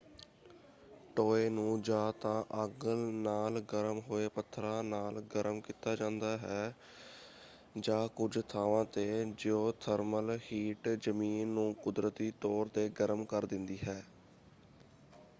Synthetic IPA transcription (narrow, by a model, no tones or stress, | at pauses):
ʈoːeːnũːd͡ʒaːt̪ãːʔəɡəlnaːlɡəɾəmɦoːeːpət̪ʰːɾãːnaːlɡəɾəmkiːt̪aːd͡ʒãːnd̪aːɦɛː | d͡ʒãːkʊd͡ʒt̪ʰaːʋãːt̪eːd͡ʒeoːt̪ʰəɾməlhiːʈd͡ʒəmiːnːũːkʊd̪ɾət̪iːt̪ɔːɾt̪eːɡəɾəmkəɾd̪ɪnd̪iːɦɛː